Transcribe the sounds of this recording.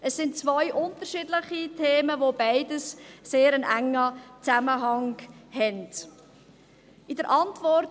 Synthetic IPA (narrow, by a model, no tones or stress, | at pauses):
əsɪntt͡svɔʏʔʊntəɾʃidləχitʰeːməvobaɪdəsseːɾənæŋːət͡saməɦɑŋhɛnd̥ | ʔɪdəɾʔɑntvɔɾt